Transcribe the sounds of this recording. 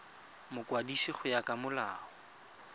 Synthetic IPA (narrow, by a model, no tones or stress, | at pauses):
mʊkwadisiχʊjakʼamʊla̰ːɔ